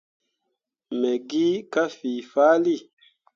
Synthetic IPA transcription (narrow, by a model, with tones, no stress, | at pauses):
mɛ˨ɡi˦ka˦fi˨fa˦li˦˨